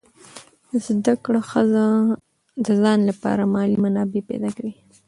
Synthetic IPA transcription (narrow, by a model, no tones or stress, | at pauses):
əzd̪akɽaxəza | d̪əzɑnlapɑ̰ɾamɑlimanɑbepḛd̪ɑkawi